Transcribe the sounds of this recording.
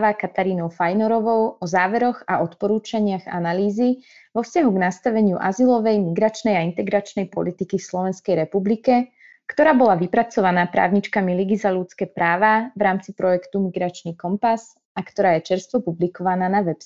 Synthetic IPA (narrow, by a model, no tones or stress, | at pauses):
ʋakat̪aɾiːnɔʊfajnɔɾɔʋɔʊɔzaːʋɛɾɔɣaɔt̪pɔɾuːt͡ʃaɲɪaɣa̰naliːzi | ʋɔfscaɦuɡnast̪aʋɛɲɪuʔazilɔʋɛjmiɡɾat͡ʃnɛjaint̪ɛɡɾat͡ʃnɛjpɔ̰lit̪ikifslɔʋɛnskɛjɾɛpublikɛ | kt̪ɔɾaːbɔlaʋipɾat͡sɔʋanaːpɾa̰ːʊɲit͡ʃkamiliɡizalut͡skɛːpɾaːʋaʋɾaːmt͡sipɾɔjɛkt̪umiɡɾat͡ʃnikɔmpas | akt̪ɔɾaːjɛt͡ʃɛɾst̪ʋɔpublikɔʋanaːnaʋɛps